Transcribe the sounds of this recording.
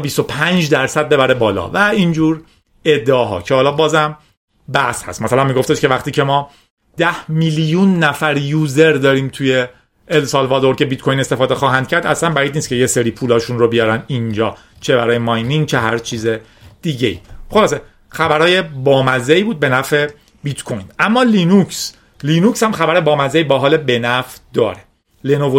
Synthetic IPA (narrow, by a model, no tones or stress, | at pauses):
bist̪o̞pʰænd͡ʒd̪æɾsæd̪̚be̞bæɾe̞bɒːlɒ̰væind͡ʒuːɾ | e̞d̪ːeɒːɦɒ̰ːcʰehɒːlɒːbɒːzæm | bæshæ̰st̪mæsælænmiɡo̞ft̪eʃkevæxt̪iːcʰe̞mɒː | d̪̥æhmiːljunːæfæɾjuːze̞ɾd̪ɒːɾiːmt̪ʰujeː | lsɒlvɒːd̪o̞ɾcʰe̞bit̪̚kʰojinest̪efɒːd̪exɒːɦænd̪̥cʰæɾd̪æslænbæid̪niːst̪̚cʰejeseɾiːpʰuːlɒːʃunrobijɒːɾænind͡ʒɒː | t͡ʃʰe̞bæ̰ɾɒːjemɒjniŋɡt͡ʃʰe̞ɦæɾt͡ʃʰiːze̞ | d̪̥iːɟeḭːχo̞lɒːse | xæbæɾhɒːje̞bɒːmæzeiːbuːd̪̚be̞næfe̞ | bit̪kʰojnæmːɒːlinuks | liːnukshæmxæbæɾe̞bɒːmæzeibæːɦɒːlebe̞næfd̪ɒ̰ːɾe | lenovo